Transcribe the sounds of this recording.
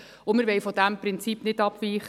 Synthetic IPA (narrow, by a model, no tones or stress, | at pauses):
ʊmɪɾʋɛjfɔdæmpɾɪnt͡sipnɪdɑpʋiːχ